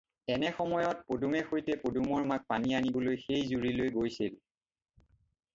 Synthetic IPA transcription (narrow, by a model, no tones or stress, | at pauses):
ɛnɛxɔmɔjɔt̚podumɛxojtɛpodumɔɹmak̚panianibɔlojxejzuɹilojɡojsil